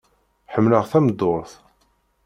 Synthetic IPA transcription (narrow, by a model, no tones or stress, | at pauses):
ħəmːləʁθæmd̪ːoɾθ